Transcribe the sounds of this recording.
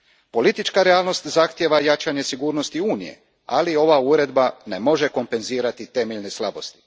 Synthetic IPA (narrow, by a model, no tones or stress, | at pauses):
po̞lit̪it͡ʃkaɾeaːlˠno̞st̪zaxt̪je̞ʋajat͡ʃaɲe̞siɡuːɾno̞st̪iuːnḭje̞̰ | a̰lio̞ʋauɾe̞d̪bane̞mo̞ʒe̞ko̞mpe̞nziːɾat̪it̪e̞meʎne̞slˠabo̞st̪i̥